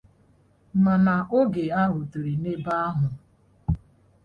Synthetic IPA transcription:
ma˨na˨ʔo˦ɡe˨a˦ɦʊ˨tu˨ɾi˨ne˦ba˦a˦ɦʊ˨

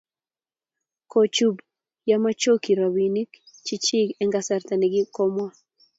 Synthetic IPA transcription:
ko˨t͡ʃu˦b | ja˦ma˦t͡ʃo˦ki˨ɾa˨wi˨ni˦k | t͡ʃi˦t͡ʃi˦ɡɛ˦ŋɡa˨sa˨rt̪a˨nɪ˨ɡɪ˦kɔ˦mɔ˦

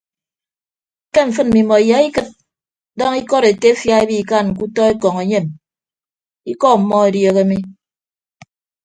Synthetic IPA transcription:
ke˦ɱ̩˨f̬ɨ˦n̚m̩˨mi˨mɔ˨ja˨˦i˦kɨ˦t̚ | dɔ˦ŋi˦kɔ˦ɾe˨te˦fja˦e˦bi˦˨ka˦˨nŋ̩˨k̬u˦tɔ˦e˦kɔ˨ŋe˨˦ɲe˦˨m | i˦kɔ˦m̩˨mːɔ˦e˨djo˨ɣe˦mi˦

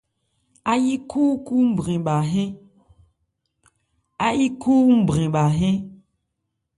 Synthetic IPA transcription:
a˦ji˦kʰu˦ku˦m̩˦˨bɾĩ˨ɓa˨ɦẽ˦ | a˦ji˦ku˦m̩˨bɾĩ˨ɓa˨ɦẽ˦

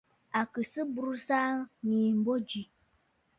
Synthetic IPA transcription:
a˨kɨ˨sɨ˦bu˦ɾu˦saː˦ŋiː˨m̩˨bo˦d͡ʒi˨

